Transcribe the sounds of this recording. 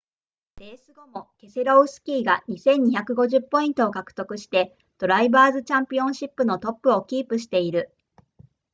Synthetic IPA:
d̪̥e̞ːsɨɡo̞mo̞ke̞seɾoɯ̟sɨ̥kʲiːɡaɲ̟isẽ̞ɲ̟ːiçakɯ̟ɡo̞ʑɨpːo̞ĩnt̪o̞ːkakɯ̟̥t̪o̞kɯ̟ɕi̥t̪e̞ | d̪̥o̞ɾaibaːzɨt͡ɕãmpʲiõ̞ɰ̃ɕipːɯ̟no̞t̪o̞pːɯ̟o̞kʲiːpɯ̟ɕ̬i̥t̪e̞iɾɯ̟

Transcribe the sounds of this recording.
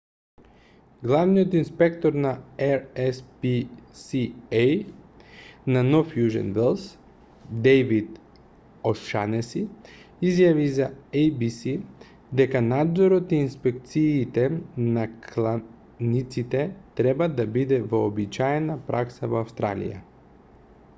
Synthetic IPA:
ɡlˠavnijot̪inspɛkt̪ɔɾnaɛɾɛspisiɛj | nanɔfjuʒɛ̰nvɛlˠs | d̪ɛjvit̪ | ɔʃa̰nɛsiizjavizaejbisi | d̪ɛkanad̪zɔɾɔt̪iːnspɛk̚t̪siːt̪ɛnakʰlˠa | nit̪sit̪ɛt̪ɾɛbad̪abid̪ɛvɔːbit͡ʃaɛnapɾʔaksavɔafst̪ɾa̰lḭja̰

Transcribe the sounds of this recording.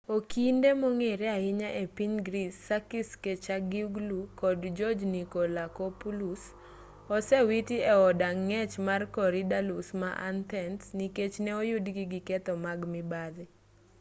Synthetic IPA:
okʰindemoŋeɾeaɪɲaʔepiɲɡɾisːakisket͡ʃaɡiuɡlukɔdd͡ʒɔd͡ʒnikolakopulus | ɔsɛwitiɛɔdaŋːɛt͡ʃmarkɔɾidalusmaʔa̰nt̪ɛnsniket͡ʃnɛɔjʊdɡiɡɪkɛt̪ɔmaɡmɪbad̪ɪ

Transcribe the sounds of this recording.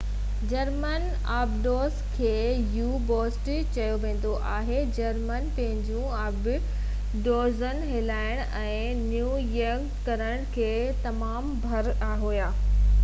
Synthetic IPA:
d͡ʑɐɾmən | aːbɖoːskʰeːjuːboːsʈ | t͡ɕɐjoʋẽːn̆d̪oʔaːɦed͡ʑɐɾmənpɐ̃ɦɪ̃ɲd͡ʑũ | ɐb | ɖoːzənɦɪlaːɪɽ̃ɛ̃ː | njuːjɐɾk | kɐɾəɽ̃kʰeː | t̪ɐmaːmbʱɐɾaːɦuːjaː

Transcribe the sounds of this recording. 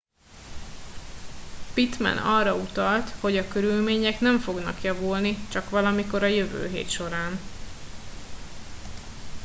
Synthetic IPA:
pit̪mɛ̰nɒrɒut̪ɒlt̪ho̞ɟɒkøɾylmeːɲɛknɛɱfo̞ɡnɒ̰kjɒvulnit͡ʃɒkʋɒlɒmiko̞ɾɒjøvø̰ːɦḛːt̪ʃo̞ɾaːn

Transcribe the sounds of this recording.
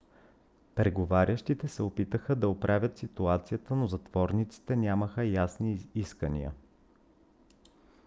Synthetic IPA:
pɾɛɡovaɾʲəʃt̪it̪ɛsɛopit̪əxəd̪ɐopɾʔavʲjət̪sit̪uat̪sijət̪ənozɐt̪v̥ɔɾnit̪si̥t̪ɛnʲaməxəjasniiskənḭə̰

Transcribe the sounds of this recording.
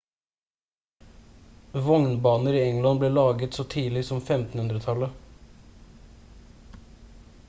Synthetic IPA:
ʋɔŋnbɑːnəɾiːɛŋlɑnbleːɭɑːɡət̪soːt̪ʰiːlɪsɔmfɛmt̪n̩hʉnd̪ɾət̪ʰɑlə

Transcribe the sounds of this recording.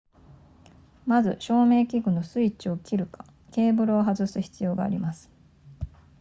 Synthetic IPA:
mazɨ̰ɕo̞ːme̞ːkʲiɡɯ̟no̞sɨit͡ɕiokʲiɾɯ̟ka | ke̞ːbɯ̟ɾɯoɦazɨsɨçi̥t͡sɨjo̞ːɡa̰ːɾʲimasɨ̥

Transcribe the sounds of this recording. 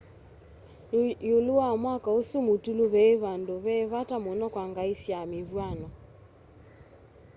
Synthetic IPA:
joluwamwakaosumotuloβɛeβandoβɛβatamonɔkwaŋɡaisjameβwanɔ

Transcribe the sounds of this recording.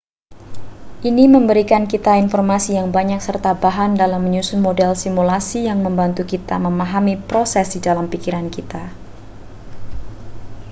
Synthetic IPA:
ʔiniməmbəɾikankit̪ainfɔrmasijaŋbaɲak̚sərt̪abaɦandalamːəɲusʊnmodɛlsimulasijaŋməmbant̪ukit̪a̰məmaɦamipɾosɛsdidalampikiɾankit̪a

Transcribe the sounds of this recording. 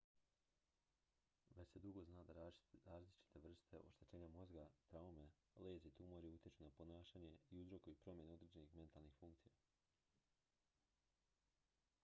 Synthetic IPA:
ʋet͡ɕse̞d̪uɡo̞znaːd̪aɾaːzlit͡ʃi̥t̪e̞ʋr̩st̪e̞ʔo̰ʃt̪et͡ɕe̞ːɲamo̞zɡat̪ɾaume̞ | leːzeit̪uːmoɾiut̪jet͡ʃunapo̞naːʃaːɲe̞iuzɾo̞koipɾo̞mje̞neo̞d̪ɾed͡ʑenixme̞nt̪alˠnixfuŋkt̪sija

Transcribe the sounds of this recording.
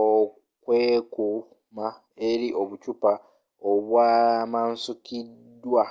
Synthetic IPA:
o | kweːku | ma | eɾiʔo̞βucupa | oβwaːmansukidwa

